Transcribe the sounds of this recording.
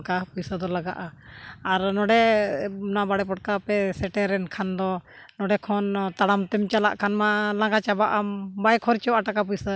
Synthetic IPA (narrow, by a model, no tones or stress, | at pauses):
kapujsəd̪ɔlaɡaʔaːɾnɔɖɛ | nabaɽɛpɔʈ̚kapɛsɛʈɛɾɛnkʰand̪ɔ | nɔɖɛkʰɔnt̪aɽamt̪ɛmt͡ʃala̰ʔkʰanmalãŋɡat͡ʃabaʔambajkʰɔɾt͡ʃɔwaʈakap̬ujsə